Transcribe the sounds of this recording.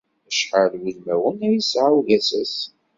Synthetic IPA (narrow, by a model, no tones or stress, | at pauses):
əʃħəlwilmæwənæjisʕawʝæsæs